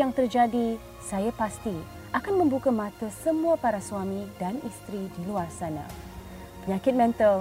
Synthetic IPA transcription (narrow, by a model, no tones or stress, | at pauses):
jaŋt̪ərd͡ʒadi | sajapast̪i | ʔakanmə̃mbukamãt̪əsəmũapaɾasuamĩdanist̪ɾidiluarsanã̰ | pəɲãkɪt̪̚mɛ̃nt̪əl